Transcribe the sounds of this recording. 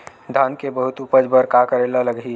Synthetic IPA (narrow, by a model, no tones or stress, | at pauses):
d̪ʱankebəɦut̪upəd͡ʒbəɾkakəɾelaləɡi